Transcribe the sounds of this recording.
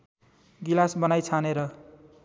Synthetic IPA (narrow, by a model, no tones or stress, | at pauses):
ɡilasbʌnajt͡sʰaneɾʌ